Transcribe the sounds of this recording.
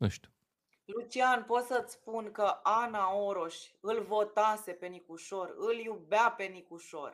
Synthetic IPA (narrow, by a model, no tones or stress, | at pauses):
əʃt̪ʲ | lut͡ʃianpo̞t̪sət̪sʲspunkəʔanaoɾo̞ʃʲɨlvo̞t̪ase̞pe̞nikuʃo̞rɨljubape̞nikuʃo̞̰r